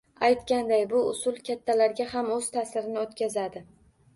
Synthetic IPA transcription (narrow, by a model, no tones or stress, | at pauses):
ajt̪kʲand̪ajbʊʊsʊlˠkʲʰat̪ʰːalaɾɡʲahamɵz̥t̪ʰasɪɾɪnɪot̪kʲazad̪ɪ